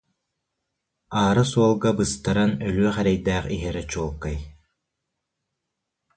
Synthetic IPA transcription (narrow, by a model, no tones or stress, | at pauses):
aːɾɯsuɔlˠɡabɯst̪aɾanœlyœχɛɾɛjd̪æːχiɦɛɾɛt͡ɕuɔlˠkaj